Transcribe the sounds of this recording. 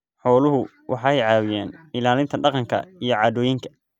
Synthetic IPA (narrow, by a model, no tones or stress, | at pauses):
ħɔːlʊɦʊ | wʔɑħɑɛjʕɑːwɪjaːnɪlaːlɪnt̪ʰɐɖɑqɑŋkʰɐ̰ijɞʕɑːd̪ɔːjɪŋkʰɐ̥